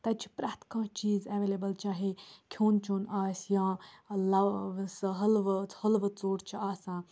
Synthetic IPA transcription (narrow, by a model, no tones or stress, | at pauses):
t̪ɐt͡ʃʰi̥pɾaːt̪ʰkãːt͡ʃiːzeʋeːlebəlt͡ʃaːɦekʰoːnt͡ʃoːnaːsjãːlɐsɦɐlʋhɐlʋət͡soːɽt͡ʃʰiaːsãː